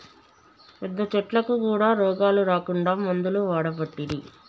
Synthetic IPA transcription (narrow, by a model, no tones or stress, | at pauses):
pɛd̪ːɐt͡ʃɐʈlɐkukuːɽaːɾɔːɡaːluɾaːkuɳɖaːmɐnd̪uluʋaːɽɐpɐʈːid̪i